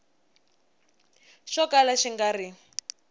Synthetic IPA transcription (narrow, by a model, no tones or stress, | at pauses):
ʃɔkalaʃiŋɡari